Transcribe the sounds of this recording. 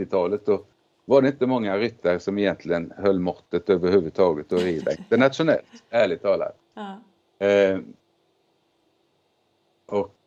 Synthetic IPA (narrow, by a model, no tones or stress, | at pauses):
ɪt̪ʰɑːlət̪sɔ | ʋɑɖɛɪnt̪əmɔŋːaɾʏt̪ʰːəɾsɔmɪjɛnt̪ʰlɪənhœlːmɔɾt̪ət̪øːʋəɾhʉːʋəd̪t̪ʰɑːɡət̪ɔɾiːd̪a̰ɪnt̪əɳɑt̪ʂʊnɛ̰lt̪æːɭɪt̪ʰɑːla̰t | ɔ